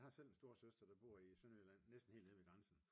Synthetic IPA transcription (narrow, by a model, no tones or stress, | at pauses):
hɑ̈sel̰ensd̥o̝ːɐsøsd̥ʁɐd̥ɑ̈b̥o̝ɐ̰isønylæn̰ːesd̥n̩e̝̰ːld̥eʋeɡ̥ʁɑnsn̩